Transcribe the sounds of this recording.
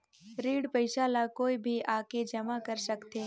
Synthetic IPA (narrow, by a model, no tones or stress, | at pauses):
ɾiːɽpəɪʃaːlakoːibʱiʔaːked͡ʒɐmakɐɾsɐkt̪eː